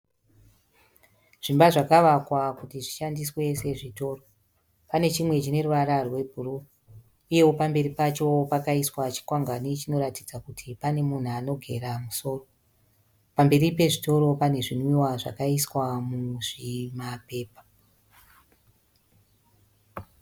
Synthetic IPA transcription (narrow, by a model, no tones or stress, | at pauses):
ʐ̥imbaʐakaʋakwakutiʐiʃandiswe̞se̞ʐito̞ːro̞ | pane̞t͡ʃimwe̞t͡ʃine̞ruʋaɾarwe̞bʱuru | uje̞wo̞pambe̞ɾipat͡ʃo̞pakaiswat͡ʃi̥kwaŋɡanit͡ʃino̞ɾatid͡zakutʰipane̞mun̤uano̞ɡʱe̞̰ɾamuso̞ːro̞ | pambe̞ɾipe̞ʐito̞ɾo̞pane̞ʐinwiwaʐa̰kaiswamuʐimape̞ːpḁ